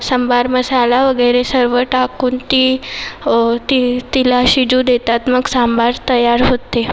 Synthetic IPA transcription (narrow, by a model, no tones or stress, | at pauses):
səmbaɾməsalaʋəɡəjɾesəɾʋəʈakuːnt̪i | t̪it̪ilaɕid͡ʑud̪et̪at̪məɡsambaɾt̪əjaɾɦot̪e